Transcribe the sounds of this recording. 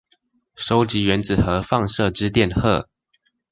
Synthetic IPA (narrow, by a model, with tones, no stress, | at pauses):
ʂo˥ʊt͡ɕi˨˥ɥɛ˧˦˥nt͡sɹ̩˨˩xɤ˨˦fɑ˥˧ŋʂɤ˥˨ʈ͡ʂɻ̩˦t̪jɛ˥˨nxɤ̰˥˨